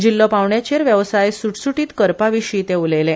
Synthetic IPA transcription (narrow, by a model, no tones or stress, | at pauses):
d͡ʑilːəpaʋɳjat͡ɕeɾʋjəʋsajsuʈsuʈiːt̪kəɾpaʋiɕiːt̪eulele